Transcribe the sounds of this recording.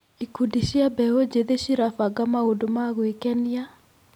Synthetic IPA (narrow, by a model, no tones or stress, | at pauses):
ikudiʃiabɛwod͡ʒeðeʃiɾafaɡamaodomaɣwikɛnija